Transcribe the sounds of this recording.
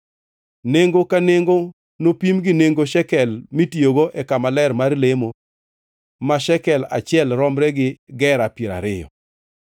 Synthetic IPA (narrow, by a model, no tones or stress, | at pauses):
neŋɡokaneŋɡo | nopimɡɪneŋɡoʃɛkɛlmitioɡoʔɛkamalɛrmarlemo | maʃɛkɛla̰t͡ʃɪɛlɾɔmɾɛɡɪɡɛɾapjiɾa̰ɾɪjɔ̰